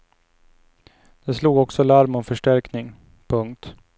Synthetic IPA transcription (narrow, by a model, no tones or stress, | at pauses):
d̪̥ɛsluːɡɔksɔlaɾmɔmfœʂʈæɾknɪŋ | pʰɵŋk̚t̪